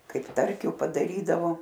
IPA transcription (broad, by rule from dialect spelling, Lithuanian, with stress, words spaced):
ˈkɐɪp ˈtɐrʲkʲʊ pɐdɐˈrʲiːdɐʋoː